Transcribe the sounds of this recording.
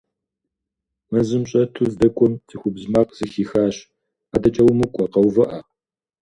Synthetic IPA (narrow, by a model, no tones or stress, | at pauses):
mɐzɨmɕʼɐtʰuːzdɐkʷʼɔmtʰɨxʷʊbzmaːqz̥ɨxiːxaːɕ | aːdɐt͡ʃʼɐwmɨkʷʼɐqɐwvɐʔɐ